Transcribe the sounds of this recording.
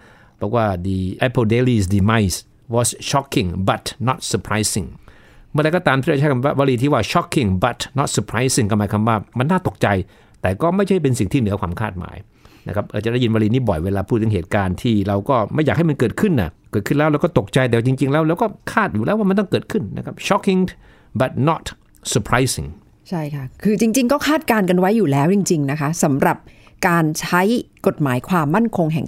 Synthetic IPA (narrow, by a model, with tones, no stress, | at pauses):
bɔ˨˩k̚waː˥˩d̪i˧ʔa˧pʰo˧de˧li˧˩sdi˧ma˦˧js | wɔ˧sɕɔ˦˥kʰːi˧˩ŋba˨˩t̪nɔ˦˥˩t̪̚sə˧pʰɾa˧˥jsi˨˩ŋ | mɯ˥˩˨ɾa˧kɔː˥˩t̪aː˧mt̪i˥˩˧t͡ɕʰa˥˩kʰnwaː˥˩waː˧ɾiː˧iː˥˩waː˥˩ɕɔ˦˥kʰːi˧˨˩ŋba˨˩t̪nɔ˦˥t̪̚sə˧pʰɾa˧˥jsi˧˩ŋkɔː˥˩maː˧˦jkʰa˧mwaː˥˩ma˧nːaː˥˩t̪o˨˩k̚t͡ɕa˧j | t̪ɛː˨˩kɔː˥˩ma˥˩jʰa˥˩˥pe˧nsi˨˩ŋt̪ʰiː˥˩nɯ˦ɐkʰwaː˧mkʰaː˥˩t̪̚ma̰ː˨˩˦j | na˦˥kʰa˦˥p̚ɾʔa˧wt͡ɕa˨˩da˥˩ji˧nwaː˧liː˧niː˦˥˩bɔ̰˨˩jweː˧laː˧pʰuː˥˩t̪̚ʰːɯ˩˦ɦeː˨˩t̪̚kaː˧nt̪ʰiː˥˩ɾa˧wkɔː˥˩ma˥˩jaː˨˩k̚ha˥˩jma˧nkɤː˨˩t̪̚kʰɯ˥˩nʔa̰˨˩kɤ˨˩t̚ʰɯ˥˩nlɛː˦˥wlɛː˦˥wkɔː˥˩t̪o˨˩k̚t͡ɕa˧jt̪ɛː˨˩wa˥˩t͡ɕi˧ŋt͡ɕi˧ŋlɛː˦˥wlɛː˦˥wkɔː˥˩kʰaː˥˩t̪̚juː˨˩ɛː˦˥wa˥˩a˧nt̪ɔ˥˩ŋkɤː˨˩t̪̚kʰɯ˥˩nːa˦˥kʰa˦˥p̚ɕɔ˦˥ki˧ŋ | ba˨˩t̪̚nɔ˦˥˩t̪̚ | sə˧pʰɾa˦˥jsḭ˨˧ŋ | t͡ɕʰa˥˩jkʰa˥˩kʰɯː˧t͡ɕi˧ŋt͡ɕi˧ŋkɔː˥˩kʰaː˥˩t̪̚kaː˧nka˧nwa˦˥jːuː˨˩lɛː˦˥wt͡ɕi˧ŋt͡ɕi˧ŋna˦˥kʰa˦˥sa˩˦mɾa˨˩p̚kaː˧nt͡ɕʰa˦˥jko˨˩t̪̚maː˩˦jkʰwaː˧mːa˥˩nkʰo˧ŋɦɛ˨˩ŋ